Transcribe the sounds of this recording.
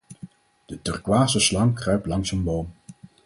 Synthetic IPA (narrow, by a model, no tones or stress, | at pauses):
d̥ətɵrkʋaːsəslɑŋkrœɥplɑŋsənbowm